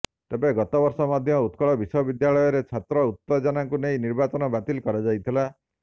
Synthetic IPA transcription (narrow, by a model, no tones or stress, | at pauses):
t̪ebeɡɔt̪ɔbɔɾsɔmad̪ʱjɔut̪kɔɭɔbisɔbid̪jaɭɔjɔɾet͡ʃʰat̪ɾɔut̪ːɔd͡ʒɔnaŋkunejniɾbat͡ʃɔnɔbat̪ilkɔɾad͡ʒajt̪ʰila